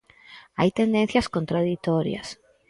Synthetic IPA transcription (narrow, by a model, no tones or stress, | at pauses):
ajt̪end̪en̟θjɐskont̪ɾaðit̪ɔɾjɐ̰s